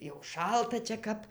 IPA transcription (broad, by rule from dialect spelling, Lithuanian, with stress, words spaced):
jɛʊ ˈʃɐlˠtɐ t͡ʃʲɛ ˈkɐp